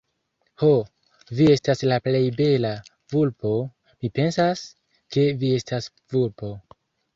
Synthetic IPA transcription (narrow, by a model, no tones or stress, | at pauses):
ho̞ | vie̞staslaple̞jbe̞la | vulpo̞ | mipe̞nsas | ke̞vie̞stas | vulpo̞